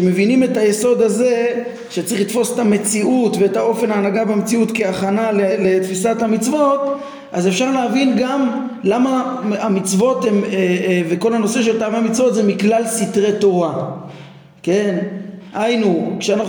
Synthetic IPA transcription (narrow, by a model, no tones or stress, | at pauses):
eme̞vinime̞tajeso̞d̪aze̞ | ʃet͡sʁiχlit̪fo̞se̥t̪ame̞t͡siʔutve̞etao̞fe̞naːnaɡabemet͡siut̪ke̞aχanalelet̪fisathamit͡svo̞t̪ | ʔaze̞fʃaʁleavinɡam | lamaamit͡svo̞t̪emeveko̞lano̞se̞ʃe̞lt̪aveamit͡svo̞t̪zemiklalsit̪ʁe̞t̪o̞ʁa | ke̞nhajnukʃeana